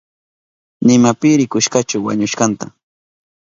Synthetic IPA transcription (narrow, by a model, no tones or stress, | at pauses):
nɪmapɪɾɪkʊʃkat͡ʃʊwa̰ɲʊʃkɑnt̪a